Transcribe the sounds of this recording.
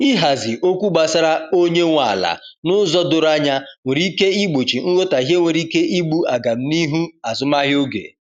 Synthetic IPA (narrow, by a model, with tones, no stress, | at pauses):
i˦ɦa˨zɪ˨ʔo˦kʷu˦ɡ͡ba˨sa˦ɾa˦o˦ɲe˦ŋʷa˨la̰˨nʊ˦zɔ˦dʊ˨ɾa˦ɲa˦ŋʷe˨ɾi˦ke˦i˦ɡ͡bo˨t͡ʃi˨ŋ̩˦ɣo˦ta˨i˨ɦe˦ŋʷe˨ɾi˦ke˦ʔi˦ɡ͡bu˦a˨ɡa˨m̩˦ni˦ɦu˦a˨zʊ˨˦ma˦ɦjo˦ɡḛ˨